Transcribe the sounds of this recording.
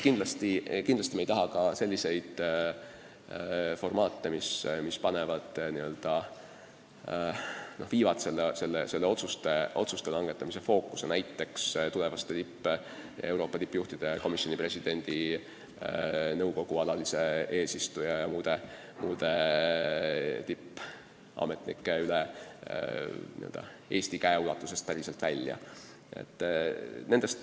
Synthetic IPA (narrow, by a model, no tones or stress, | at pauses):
kind̪lɑst̪ikinlɑs̬ʲt̪imejt̪ɑɦɑkɑse̞lʲːise̞jd̪̥ | fo̞rmɑːt̪ˑːe̞mismispɑne̞vɑd̪̥niø̞ld̪̥ɑ | no̞hviːvɑt̪se̞lːese̞lːḛse̞lːeo̞t̪sust̪e̞ʔo̞̰t̪sust̪e̞lɑŋɡ̥e̞t̪ːˑɑmise̞fo̞ːkːˑu̥se̞næjt̪ːe̞kst̪ule̞vɑst̪et̪ipːe | ḛwɾo̞ːpːˑɑt̪ipːˑjuht̪id̪̥e̞ɑko̞misːjo̞nipre̞sid̥̪e̞nʲd̪̥i | nɤwko̞ɡ̥uɑlɑlise̞e̞ːsist̪ujɑjɑmuːd̪̥e̞ | muːd̪̥e̞ | t̪ipː | ɑ̰ːme̞t̪nḭkːˑe̞yle | nḭø̰ld̪̥ɑ̰ | e̞ːst̪ikæeulɑt̪ːˑuse̞st̪̚pæɾiselt̪vælʲjɑ̰ | ḛt̪ːne̞nd̪̥e̞st̪